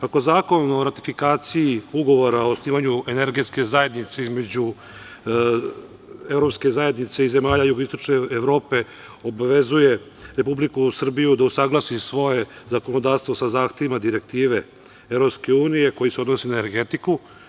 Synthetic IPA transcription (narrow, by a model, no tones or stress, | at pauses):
kako̞zaːko̞no̞ɾat̪i̥fikaːt̪siiuɡo̞ʋo̞ɾaosniːʋaɲuene̞ɾɡe̞t̪ske̞zaje̞d̪nit̪seizme̞d͡ʑu | evɾo̞pske̞zaje̞d̪nit̪se̞ize̞maːʎajuɡoist̪o̞t͡ʃneːʋɾo̞ːpe̞ | obaʋe̞zuje̞ | ɾepublikusr̩bijud̪ausaɡlˠasisʋo̞je̞zakonod̪aːɾst̪ʋosazaːxt̪e̞ʋimad̪iɾek̚t̪iːʋe̞ | evɾo̞pske̞uːnije̞ko̞jiseo̞d̪nosinaeneɾɡe̞t̪iku